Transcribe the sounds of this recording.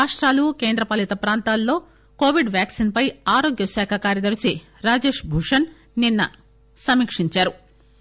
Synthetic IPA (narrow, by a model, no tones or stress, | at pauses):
aːʂʈɾaːlukeːnd̪ɾɐpɐlit̪ɐpɾaːnt̪aːlːo̞ː | ko̞ːʋiɖʋjaːksinpɐjaːɾo̞ːɡjɐʃaːkʰɐkaːɾjɐd̪ɐɾusi | ɾaːd͡ʒe̞ːʂbʱuʂɐn | ninːɐ̰ | sɐmiːkʂiɲt͡ʃaːɾu